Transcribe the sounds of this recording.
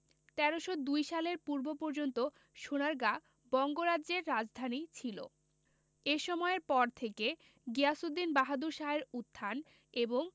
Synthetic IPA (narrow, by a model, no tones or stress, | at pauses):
t̪ɛɾoʃod̪ujʃaleɾpuɾbopoɾd͡ʑont̪o | ʃonaɾɡa | bɔŋɡoɾadʑeɾːad͡ʑd̪ʱanit͡ɕʰilo̰ | eʃɔmɔeɾpɔɾt̪ʰeke | ɡeasud̪ːinbaɦad̪uɾʃaeɾut̪ʰːan | eboŋ